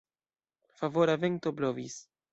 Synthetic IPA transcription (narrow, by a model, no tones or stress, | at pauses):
favoɾaveŋt̪oblovis